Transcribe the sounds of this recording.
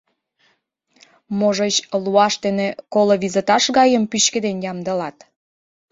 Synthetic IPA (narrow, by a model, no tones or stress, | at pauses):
moʒət͡ɕluɑʃt̪enekoloβizet̪ɑʃɣɑjəmpyɕkĕd̪enjɑmd̪ə̆lɑt̪